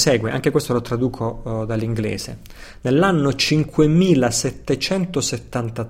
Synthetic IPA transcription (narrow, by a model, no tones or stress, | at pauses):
sɛːɡweaŋk̟ekwest̪olot̪ɾad̪uːkʰod̪alːiŋɡlɛ̰ːzḛ | nelːanːot͡ʃiŋkʰwemiːlasɛt̪ːet͡ʃɛnt̪oset̪ːant̪a